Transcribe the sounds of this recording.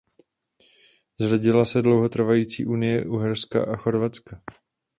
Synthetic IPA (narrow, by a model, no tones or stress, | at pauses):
zʒaɟɪlasɛdlo̞wɦo̞t̪r̩vajiːt͡sḭːʔunɪjɛʔuɦɛɾska̰ʔaxo̞ɾvat͡ska